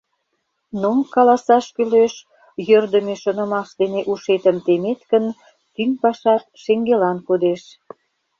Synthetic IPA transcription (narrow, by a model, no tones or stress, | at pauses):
nomkɑlɑsɑʃkyleʃ | jørd̪ə̆meʃonə̆mɑʃd̪eneʔuʃet̪ə̆mt̪emet̪kən | t̪yŋpɑʃɑt̪̚ʃeŋɡelɑnkod̪eʃ